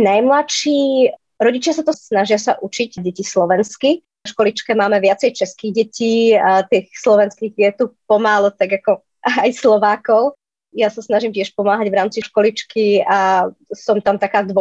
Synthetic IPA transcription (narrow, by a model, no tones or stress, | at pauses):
najmlaʃiː | ɾɔɟit͡ʃɪasat̪ɔsnaʒɪasaʔut͡ʃiɟɟɛcislɔʋɛnski | ɔʃkɔlit͡ʃkɛmaːmɛʋɪat͡sɛjt͡ʃɛskiːɣɟɛciːt̪iːxslɔʋɛnskiːɣdɪɛt̪upɔmaːlɔt̪aɡakɔ | ajslɔʋaːkɔʊ | jasasnaʒimcɛʃpɔmaːɦaɟʋɾaːmt͡siʃkɔlit͡ʃkiasɔmt̪amt̪akaːd̪ʋɔ